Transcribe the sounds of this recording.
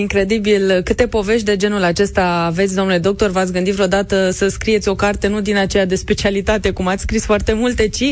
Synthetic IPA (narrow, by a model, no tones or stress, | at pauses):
iŋkɾe̞d̪ibilkɨt̪e̞po̞ve̞ʃt̪̚d̪e̞d͡ʒe̞nulat͡ʃe̞st̪aːvet̪sʲd̪o̞nule̞d̪o̞k̚t̪o̞rvat̪sʲɡɨnd̪itvɾeo̞d̪at̪əsəskɾijesʲo̞kart̪e̞nud̪inat͡ʃe̞jad̪e̞spe̞t͡ʃialit̪at̪e̞kumat̪sʲskɾisfoart̪e̞mult̪e̞t͡ʃi